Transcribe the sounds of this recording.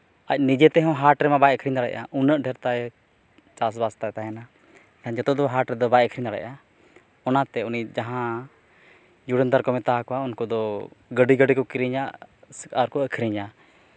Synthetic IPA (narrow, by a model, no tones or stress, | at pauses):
ac̚nid͡ʒɛt̪ɛɦɔ̃ɦaɾʈɾɛmabajəkʰɾiɲd̪aɽɛ̰ʔaʔunəʔɖʱɛɾt̪aɛ | t͡ʃas̬bast̪at̪aɦɛna | t̪ɛ̃nd͡ʒɔt̪ɔd̪ɔɦaɾʈɾɛd̪ɔbajəkʰɾiɲd̪aɽɛ̰ʔa | ɔnat̪ɛunid͡ʒaɦã | d͡ʒuɽənd̪aɾkɔmɛt̪aɦakɔaunkɔd̪ɔɡəɖiɡəɖikɔkiɾiɲaʔsaɾkɔəkʰɾiɲa